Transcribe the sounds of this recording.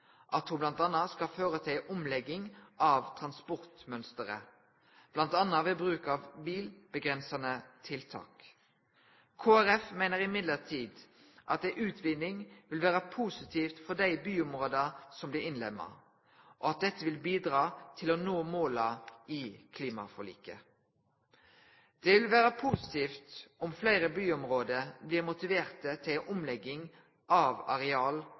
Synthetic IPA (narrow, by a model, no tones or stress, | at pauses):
ʔɑt̪hʊblɑnt̪ɑnːɑskɑføːʁət̪ʰɪlʔɔmlɛɡɪŋʔɑʋt̪ʰʁɑnspɔʁt̪mœnst̪əʁə̰ | b̥lɑnt̪ɑnːɑʋɪlbʁʉːkɑʋbiːlb̥əɡʁɛnsɑnət̪ʰɪlt̪ʰɑ̰ːk | kʰoːæʁɛfmæɪnəʁɪmɪd̪ləʁt̪ʰiːd̪ | ʔɑt̪̚d̪æɪʔʉːt̪ʰʋɪd̪nɪŋʋɪlʋæːʁəpʰusɪt̪ʰiːft̪fɔd̪æɪbyːʊmʁoːd̪ɑsɔmblɪɪnlɛmːə̰ | ʔɔɑt̪̚d̪ɛt̪ːəʋɪlbiːd̪ʁɑːt̪ʰɪlonoːmoːlɑikʰliːmɑ̰fɔlḭːkə | d̪̥ɛʋɪlʋæːʁəpʰusɪ̥t̪ʰiːft̪ʔɔmflæɪʁəbyːʊmʁoːd̪əbliːʁmʊt̪ɪʋeːʁt̪ət̪ʰɪlʔʊmlɛɡːɪŋ | ʔɑʋɑʁɛɑːl